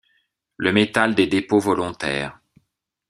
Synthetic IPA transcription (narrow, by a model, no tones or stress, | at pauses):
ləmet̪ald̪ed̪epovɔlɔ̃t̪ɛ̰ːʁ